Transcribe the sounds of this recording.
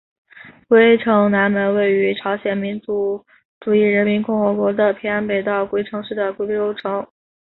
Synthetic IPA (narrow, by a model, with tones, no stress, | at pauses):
kwe˥ɪʈ͡ʂʰɤ˧˥ŋna˧˥nmə˧˥nwe˥˩ɪy˧˥ʈ͡ʂʰɑ˧˥ʊɕjɛ˨˩nmi˧˥nt͡su˧˥ | ʈ͡ʂu˨˩i˥˩ɻə˧˥nmi˧˥nkʊ˥˩ŋxɤ˧˥kwɔ˧˥d̪ə˨pʰi˥a˥npe˨˩ɪt̪ɑ˥˩ʊkwe˥ɪʈ͡ʂʰɤ˧˥ŋʂɻ̩˥˩d̪ə˩kwe˥ɪpe˥˧jo˥ʊʈ͡ʂʰɤ˧˥ŋ